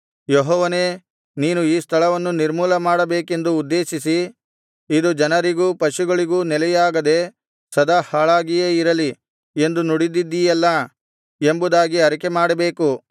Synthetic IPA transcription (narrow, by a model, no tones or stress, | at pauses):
jɔɦɔːʋɐne̞ː | niːnuiːst̪ʰɐɭɐʋɐnːuniɾmuːlɐmaːɽɐbe̞ːke̞nd̪uːd̪ːe̞ːʃisi | id̪ud͡ʒɐnɐɾiɡuːpɐʃuɡɐɭiɡuːnɛlɛjaːɡɐd̪e̞ | sɐd̪ɐhaːɭaːɡijeːiɾɐli | e̞nd̪unuɽid̪id̪ːijɛlːɐ | e̞mbud̪aːɡiɐɾikemaːɽɐbe̞ːku